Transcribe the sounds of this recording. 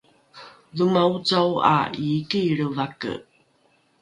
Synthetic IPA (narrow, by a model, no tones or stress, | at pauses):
ðumaut͡sawa̰ikiɾəvakə̰